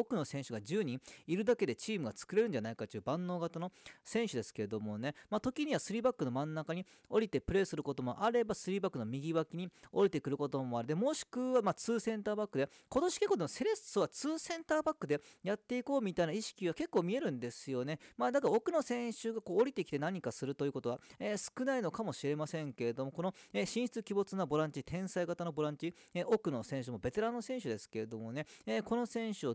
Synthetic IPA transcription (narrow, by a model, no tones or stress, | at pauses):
okɯ̟no̞sẽ̞ɰ̃ɕɨɡad͡ʑɨːɲ̟ĩŋiɾɯ̟d̪ake̞d̪e̞t͡ɕiːmɯ̟ɡat͡sɨ̥kɯ̟ɾe̞ɾɯ̟n̟d͡ʑanaikat̪ːeiɯbãnːo̞ːɡat̪ano̞sẽ̞ɰ̃ɕɨd̪e̞sɨ̥ke̞ed̪o̞mo̞ne̞maːt̪o̞kʲiɲ̟iβasɨɾʲiːbakːɯ̟no̞mãnːakaɲ̟i | o̞ɾʲit̪e̞pɯ̟ɾe̞ːsɨɾɯ̟ko̞t̪o̞mo̞̰ʔaɾe̞basɨɾʲiːbakːɯ̟no̞mʲiɡʲiβakʲiɲ̟io̞̰ɾit̪e̞kɯ̟ɾɯ̟ko̞t̪o̞mo̞aɾɯ̟d̪e̞mo̞ːɕi̥kɯ̟βamaːt͡sɨːsẽ̞nt̪aːbakːɯ̟d̪e | ko̞t̪o̞ɕi̥kekːoːd̪emose̞ɾe̞st͡sɨβat͡sɨːsẽ̞nt̪aːbakːɯ̟d̪e̞jat̪ːe̞iko̞ːmʲit̪ainaiɕi̥kʲiβake̞kːo̞ːmʲie̞ɾɯ̟̃nd̪e̞sɨjo̞ne̞maːd̪akaɾao̞kɯ̟no̞sẽ̞ɰ̃ɕɨɡako̞ːɾʲit̪e̞kʲi̥t̪e̞naɲ̟ikasɨɾɯ̟t̪ojɯ̟ko̞t̪o̞βaesɨ̥kɯ̟nainokamo̞ɕiɾe̞masẽ̞ŋke̞ɾe̞d̪o̞mo̞ko̞no̞eɕĩɕi̥t͡sɨkʲibo̞t͡sɨnabo̞ɾãɲ̟t͡ɕit̪ʰẽ̞ɰ̃saiɡat̪ano̞bo̞ɾãɲ̟t͡ɕi | eʔo̞kɯ̟no̞sẽ̞ɕ̬ɨmo̞be̞t̪e̞ɾãnːosẽ̞ɰ̃ɕɨd̪esɨ̥ke̞ɾe̞d̪o̞mo̞ne̞eːko̞no̞sẽ̞ɰ̃ɕɨo